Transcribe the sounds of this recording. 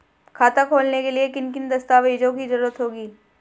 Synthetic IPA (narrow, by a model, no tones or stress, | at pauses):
kʰaːt̪akʰoːlnekeliekɪnkɪnd̪ɐst̪aːʋeːd͡ʒõkizɐɾuːɾət̪ɦoːɡiː